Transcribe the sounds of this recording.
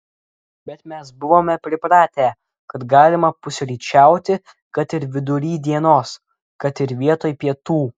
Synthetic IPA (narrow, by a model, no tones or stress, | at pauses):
bʲɛt̪mʲɛsbʊʋoːmʲɛpʲɾʲɪpɾɑːt̪ʲæː | kɐt̪ɡɑːlʲɪmɐpʊsʲɾʲiːt͡ʃʲæˑʊt̪ʲɪ | kɐt̪ɪɾʋʲɪd̪ʊɾʲiːd̪ʲiɛnoːs | kɐt̪ɪɾʋʲiɛt̪oːjpʲiɛt̪uː